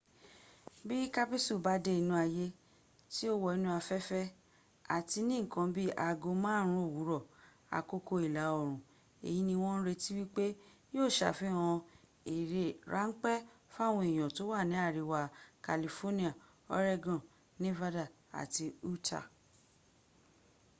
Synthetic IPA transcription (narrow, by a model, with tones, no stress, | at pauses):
bi˦ka˦pi˦su˦˨ba˨˦de˧˦i˧˨nũ˧a˧je˧˦ | ti˦o˦wɔ˨i˨˧nũ˧˦a˧fɛ˦fɛ˦ | a̰˨ti˧nĩ˦˨kã˨˧˦bi˦ʔa˨˧ɡo˧mãː˦ɾ̃ũ˧˦o˦˨wu˨˦ɾɔ˦˨ | a̰˨ko˧ko˧i˨la˨˦ɔ˨ɾ̃ũ˨ | ḛ˨ji˨˦nĩ˧w̃ɔ̃˦n̩˦ɾe˧ti˦wi˦k͡pe˦joː˦˨ʃa̰˨fĩ˦˨ɔ̃˧ | i˨ɾe˨ɾa̰˨˦ŋ̩˦k͡pɛ˦fa˦˨w̃ɔ̃˧i˨j̃ɔ̃˨to˨˦wa˦˨nĩ˨˦a˦˨ɾi˨˧wa˧ka˨li˧fo˦nĩ˦a˨ | ɔ̰˦ɾe˦ɡɔ̃˨ | nĩ˦va˦da˨ | a̰˨ti˧u˦tʰa̰˨